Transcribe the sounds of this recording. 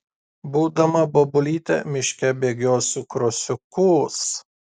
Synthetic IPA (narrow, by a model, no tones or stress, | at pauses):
buːd̪ɐmɐbobʊlʲiːt̪ʲɛ̰mʲɪʃʲkʲɛbʲeːɡʲoːsʲukɾɔsʲʊkʊs